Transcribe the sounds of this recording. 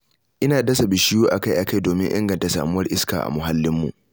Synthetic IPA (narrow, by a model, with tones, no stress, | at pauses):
ʔɪ˦naː˨dɐ˦sa˨bɪ˨ʃɪ˦juː˦ʔa˨ka˦jʔa˨ka˦jdoː˨mɪ˦ŋʔɪ̰˦ŋɡɐ˨nta˨sa̰ː˨mʊ˦wɐ˦rʔɪ˦skaː˨ʔa̰˨mʊ˨ɦa˦lːɪ˦mːṵ˨ʔ